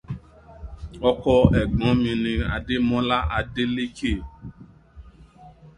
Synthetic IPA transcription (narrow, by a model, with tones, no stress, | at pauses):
ɔ˦kɔ˧ɛ˨ɡ͡bɔ̃˨˦mĩ˧nĩ˧a̰˨ɖe˦mɔ̃˦la˦ʔa˨de˦le˦ke˦˨